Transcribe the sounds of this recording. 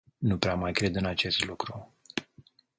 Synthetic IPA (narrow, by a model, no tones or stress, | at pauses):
nupɾeamajkɾe̞d̪ɨnat͡ʃe̞st̪lukɾu